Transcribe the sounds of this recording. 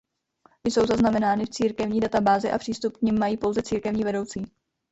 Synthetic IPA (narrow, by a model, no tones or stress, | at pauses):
ɪjso̞wzaznamɛnaːnɪft͡siːɾkɛvɲiːdat̪abaːzɪʔa̰pr̥iːst̪up̚kɲɪmːajiːpo̞wzɛt͡siːɾkɛvɲiːvɛdowt͡siː